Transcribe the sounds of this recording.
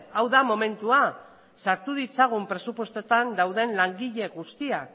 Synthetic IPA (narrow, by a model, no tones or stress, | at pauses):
awðamo̞me̞nt̪ua | saɾt̪uðit͡saɣ̞umpɾe̞supwo̞st̪ot̪and̪awðe̞nlaŋɡiʎe̞ɣust̪iak